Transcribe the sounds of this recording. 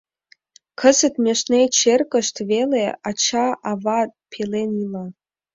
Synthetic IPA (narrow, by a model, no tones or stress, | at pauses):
kʰə̆zət̪mʲeʃnet͡ɕerkə̆ʃt̪veleɑt͡ɕɑʔɑvɑpʰelenilɑ